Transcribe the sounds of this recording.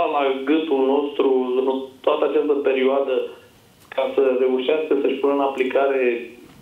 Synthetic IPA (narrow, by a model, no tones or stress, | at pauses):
alaɡɨnt̪ulno̞st̪ɾuɨnt̪oat̪əat͡ʃast̪əpe̞ɾioad̪ə | kʰasəre̞uʃiaskəsəʃpunəɨnaplikaɾe̞